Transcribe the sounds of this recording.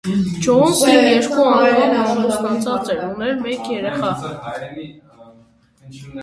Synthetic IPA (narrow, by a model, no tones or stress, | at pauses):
d͡ʒɔnsinjɛɾkuɑnɛɾinɑmɔt͡sʰnɑt͡sʰɑt͡sɛɾunɛɾmɛkjɛɾɛχɑ